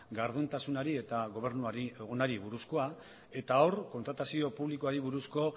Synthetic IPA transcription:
ɡaɾðunt̪asunaɾie̞t̪aɣo̞β̞e̞ɾnuaɾieɣonaɾiβuɾusko̞a | e̞t̪aorko̞nt̪ɾat̪asio̞puβlikoaɾiβuɾusko̞

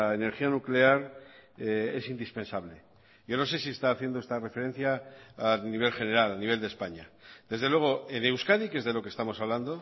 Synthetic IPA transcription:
aene̞ɾxianukle̞aɾee̞sind̪ispe̞nsaβle̞ | ʝo̞no̞se̞siest̪aːθje̞nd̪oest̪are̞fe̞ɾe̞n̟θjaː | niβ̞e̞lxe̞ne̞ɾalaniβ̞e̞ld̪e̞spaɲad̪̥e̞zðelwe̞ɣ̞o̞e̞newskanikezðe̞lo̞kest̪amo̞saβ̞land̪o̞

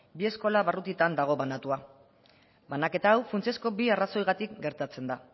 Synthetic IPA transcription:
bie̞sko̞laβarut̪it̪and̪aɣ̞o̞βanat̪ua | banake̞t̪aːwfunt͡sesko̞biaraso̞jɣat̪ikɡe̞ɾt̪at͡se̞nd̪a

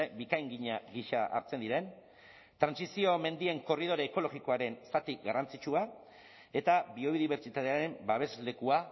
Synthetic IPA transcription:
bikajŋɡiɲaɣiʃaa̰ɾt͡se̞nd̪iɾe̞n | t̪ɾansisio̞me̞nd̪ie̞ŋko̞rið̞o̞ɾeːko̞lo̞ɣiko̞aɾe̞nsat̪ikɡarant͡sit͡ʃua | e̞t̪aβio̞βiðiβ̞e̞ɾt͡ʃit̪at̪eaɾe̞mbaβe̞zle̞kua

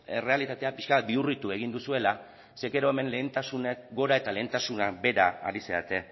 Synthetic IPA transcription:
e̞re̞alit̪at̪e̞apiʃkaβat̪̚biurit̪ue̞ɣ̞ind̪usue̞la | se̞ɣe̞ɾo̞e̞me̞nle̞ːnt̪asunekɡo̞ɾae̞t̪ale̞ːnt̪asunabe̞ɾa̰a̰ɾise̞a̰t̪e̞

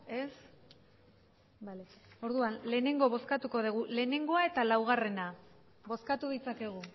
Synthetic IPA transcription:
e̞s | baleo̞ɾðuanle̞ːne̞ŋɡo̞β̞o̞skat̪uko̞ðeɣ̞ule̞ːne̞ŋɡo̞ae̞t̪alawɣ̞are̞na | bo̞skat̪uðit͡sake̞ɣ̞u

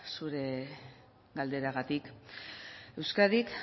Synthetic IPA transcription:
suɾe̞ | ɡald̪e̞ɾaɣat̪ik | e̞wskaðik

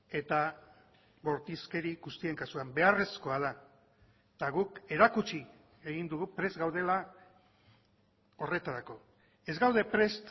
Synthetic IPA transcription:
e̞t̪a | βo̞ɾt̪iske̞ɾiɣust̪ie̞ŋkasuambe̞are̞sko̞aða | t̪aɣuke̞ɾakut͡ʃi | e̞ɣind̪uɣupɾe̞zɡawð̞e̞la | o̞re̞t̪aɾako̞ | e̞zɣawð̞e̞pɾe̞st̪

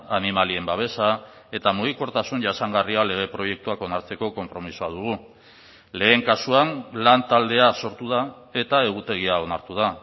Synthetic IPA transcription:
animalie̞mbaβ̞e̞sae̞t̪amuɣ̞iko̞ɾt̪asunʝasaŋɡariale̞ɣ̞e̞pɾo̞je̞k̚t̪uako̞naɾt͡se̞ko̞ko̞mpɾo̞misuað̞uɣ̞u | le̞ːŋkasuanlant̪ald̪e̞aso̞ɾt̪uð̞a | e̞t̪ae̞ɣ̞ut̪e̞ɣ̞iao̞naɾt̪uða

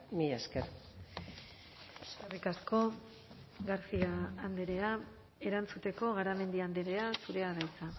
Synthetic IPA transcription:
miʎasker | eskerikasko̞ | ɣaɾsiaːnd̪eɾe̞a | e̞ɾant͡sut̪e̞ko̞ɣaɾame̞nd̪iand̪eɾe̞asuɾe̞aðajt͡sa

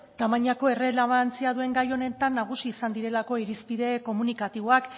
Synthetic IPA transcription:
t̪amaɲako̞e̞re̞leβant͡siað̞ue̞ŋɡajo̞ne̞t̪anːaɣ̞usiːsand̪iɾe̞lako̞iɾispiðe̞ko̞munikat̪iβoak

